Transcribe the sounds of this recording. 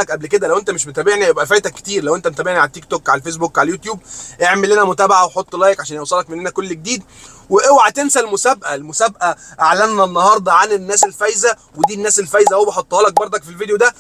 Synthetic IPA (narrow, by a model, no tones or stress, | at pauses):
ækʔæblked̪ælæwʔent̪æmeʃmot̪æːbeʕnijebʔæfæjt̪ækːe̥t̪iːɾlæwʔent̪æmot̪æbeʕniʕalæt̪ːikt̪okʕa̰læfes̬bukːʕalæljut̪juːb̚ʔeʕmelːenæmot̪æːbaʕaweħot̪ˤːlæːjekʕaʃæːnjewsˤɑlɑkmenːenækolːɡ̚d̪iːd̪ | weʔewʕat̪ensælmosæbʔælmosæbʔæʔaʕlænːænːɑɦɑɾˤd̪ˤɑʕanenːæːselfæjzæwed̪iːnːæːselfæjzæhowbeħot̪ˤːhɑːlæk̚bɑɾˤd̪ˤɑkfilvid̪ejod̪æ